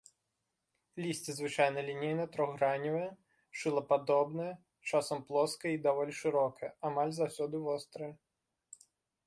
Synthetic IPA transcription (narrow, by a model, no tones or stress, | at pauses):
lʲisʲt͡sʲizvɨt͡ʂajnɐlʲinʲejnɐt̪ɾɔɣɾanʲivɐjɛ | ʂɨlˠɐpad̪ɔbnɐjɛ | t͡ʂasɐmplˠɔskɐjid̪avɔlʲiʂɨɾɔkɐjɛamalʲzawsʲɔd̪ɨvɔst̪ɾɐjɐ